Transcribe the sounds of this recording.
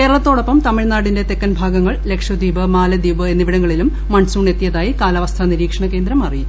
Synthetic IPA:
ke̞ːɾɐɭɐt̪ːoːɽɐpːɐmt̪ɐmiɻnaːɽinde̞t̪ekːɐnbʱaːɡɐŋːɐɭle̞kʂjɐd̪iːbɐmaːlɐd̪iːbɨenːiʋiɽɐŋːɐɭilumːɐɳsuːɳe̞t̪ːijɐðaːjikaːlɐʋɐst̪ʰɐniɾiːkʂɐɳɐke̞ːnd̪ɾɐmɐriju

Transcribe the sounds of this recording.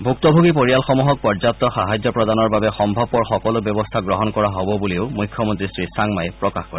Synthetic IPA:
bʱuk̚t̪ɔbʱuɡipoɹijalxɔmuɦɔk̚pɔɹzat̚t̪ːɔxaɦajzɔpɹɔd̪anɔɹbabɛxɔmbʱɔbɔɹxɔkɔlʊbjɔbɔst̪ʰaɡɹɔɦɔnkɔɹaɦobɔbuleʊmujkʰːjɔmont̪ɹisɹisaŋmajpɹɔkaxkɔɹɛ

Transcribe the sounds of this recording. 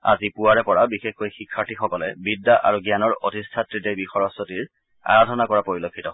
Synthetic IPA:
a̰zipuwaɹɛpɔɹabixexkojxikʰːaɹtʰixɔkɔlɛbidːaʔa̰ɹuɡjanɔɹotistʰatɹidejbixɔɹɔsotiɹ | a̰ɹadʱɔnakɔɹapoɹilokʰːitɔ

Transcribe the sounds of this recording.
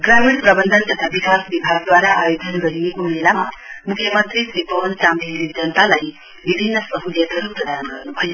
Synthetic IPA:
ɡɾamiɽpɾʌbʌnd̪ʱənt̪ɐt̪ʰabikasbibʱaɡ̚d̪waɾaʔajod͡ʒʌnɡʌɾiekomelamɐmukʰjʌmʌnt̪ɾisipʌwɐnt͡ʃamd̪iɾid͡ʒʌnt̪alaj | bibʱinːʌsʌɦuljɐt̪ʌɾupɾʌd̪anɡʌɾnuɦoj

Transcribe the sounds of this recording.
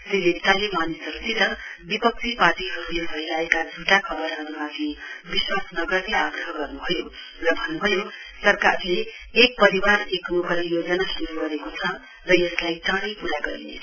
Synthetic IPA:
telet̪alemanisʌɾut͡sit̪ʌbipʌk̚t͡sʰipaʈiɦʌɾulebʱʌjlaekad͡zʱuʈakʰʌbʌrɦʌɾumat̪ʰĩbiswasnʌɡʌrneaɡrʌɦʌɡʌrnubʱʌjo | rʌbʱʌnːubʱʌjosʌrkarleː | k̚pʌɾiwarekmukʌlijod͡zʌnasuɾuɡʌɾekot͡sʰʌ | rʌjʌslajt͡sãɽʌjpuɾaɡʌɾḭnḛt͡sʰʌ

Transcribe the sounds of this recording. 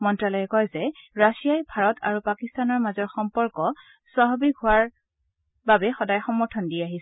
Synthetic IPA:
mɔntɹalɔjɛkɔjzɛɹasijajbʱaɹɔtʰa̰ɹupakistanɔɹmazɔɹxɔmpɔɹkɔ | saɦɔbiɡʱʊaɹ | babɛxɔdajxɔmːɔɹtʰɔndijaɦis

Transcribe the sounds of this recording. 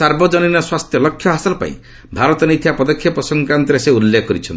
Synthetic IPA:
aɾbɔd͡ʒɔninɔswast̪jɔlɔkʰːjɔɦasɔlpa̰ḭ̃ | bʱaɾɔt̪ɔnit̪ʰijapɔd̪ɔkʰjɔpɾɔsɔŋkant̪ɔɾeseulːekkɔɾit͡ʃʰɔn

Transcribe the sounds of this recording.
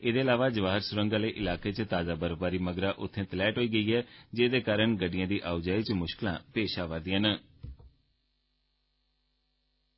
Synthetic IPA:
eːd̪eːlaːʋaːd͡ʒəʋaːɦəɾsʊɾəŋɡãːləiːʔɪlaːkeːt͡ʃt̪aːzaːbəɾopaːɾiːməɡɾaːʔʊt̪ʰːẽːt̪əlɛːʈɦoːiːɡəiːɦɛːd͡ʒeːd̪eːkaːɾəɳɡəɖɪjãːd̪iːʔaːʊd͡ʒaːiːt͡ʃmʊʃkɪlã̰ːpeːʃaːʋəɾd̪ijãːnə

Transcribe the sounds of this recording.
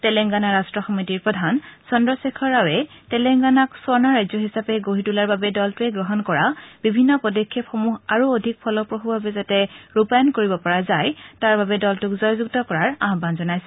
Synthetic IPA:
tɛlɛŋɡanaɹastɹɔxɔmitiɹpɹɔdʱansɔndɹɔsekʰɔɹawɛ | tɛlɛŋɡanaksɔɹnaɹajzɔɦisapɛɡoɦitulaɹbabɛdɔltʊɛɡɹɔɦɔnkɔɹab̥ibʱinːɔpɔdɔkʰːepxomuɦaɹuodʱik̚pʰɔlɔpɹoxubʱabɛzatɛɹupajɔnkoɹibɔpɔɹazajtaɹbabɛdɔltʊkzɔjzuk̚tɔkɔɹaɹaɦɔbanzɔnajsɛ̥

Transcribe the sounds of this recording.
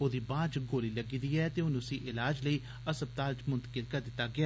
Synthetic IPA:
oːd̪iːbãːt͡ʃɡoːliːləɡiːd̪iːɛːt̪eːɦʊnʊsiːʔɪlaːd͡ʒləiː | əsəb̚t̪aːlt͡ʃmʊnt̪ə̥kəlkəd̪ɪt̪ːaːɡɪaː

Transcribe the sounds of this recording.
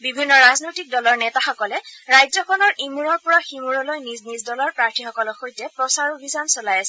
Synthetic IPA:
bibʱinːɔɹaznojtik̚dɔlɔɹnɛtaxɔkɔlɛɹajzɔkʰɔnɔɹʔemuɹɔɹpɔɹaximuɹɔlojniznizdɔlaɹpɹaɹtʰixɔkɔlɔxojtɛpɹɔsaɹobʱizansɔlajasɛ

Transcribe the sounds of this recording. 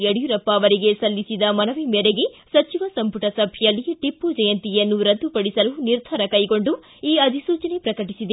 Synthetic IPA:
eɽijuɾɐpːaːʋɐɾiɡe̞sɐlːisid̪ɐmɐnɐʋimeɾeɡesɐt͡ʃiʋɐsɐmpuʈɐsɐbʱijɐlːiʈipːud͡ʒɐjɐnt̪ijɐnːuɾɐd̪ːupɐɽisɐluniɾd̪ʱɐɾɐkɐjɡo̞ɳɖu | iːɐd̪ʱisuːt͡ʃɐne̞pɾɐkɐʈisid̪e

